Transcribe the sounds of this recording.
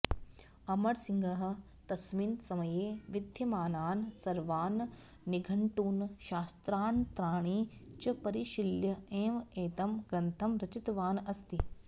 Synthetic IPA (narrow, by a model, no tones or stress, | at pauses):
ɐmɐɽsiŋɡɐɦɐ̆ | t̪ɐsminsɐmɐjeːʋɪd̪ʱjɐmaːnaːnsɐɾʋaːnː | iɡʱɐɳʈuːnʃaːst̪ɾaːnt̪ɾaːɳ̃iːt͡ʃɐpɐɾiʃiljɐeːmeːt̪ɐmɡɾɐnt̪ʰɐmɾɐt͡ʃit̪ʋaːnɐst̪i